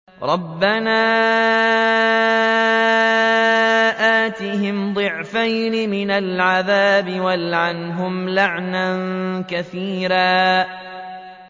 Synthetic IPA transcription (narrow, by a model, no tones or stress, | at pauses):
ɾˤɑbːanaː | ʔaːt̪ɪɦɪmd̪ˤɨʕfajnɪmɪnalʕaðaːbɪwalʕanɦʊmlaʕnankaθiːɾaː